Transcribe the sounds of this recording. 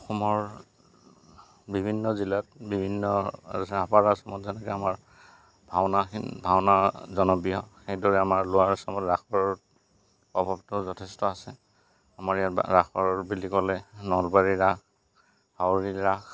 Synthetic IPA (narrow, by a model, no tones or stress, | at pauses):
ɔxɔmɔɹ | bibʱinːɔzilat̚bibʱinːɔa̰zsɛapaɹasɔmɔtzɛnɛkɛamaɹ | bʱawnaxinbʱawnazɔnɔbijɔxejdɔɹɛamaɹlʊaɹsɔmɔtɹaxʰɔɹɔɹ | pɔbʱabtʊzɔtʰɛstɔasɛ | amaɹijatɹaxʰɔɹɔɹbilikɔlɛnɔlbaɹiɹak | hawɹiɹax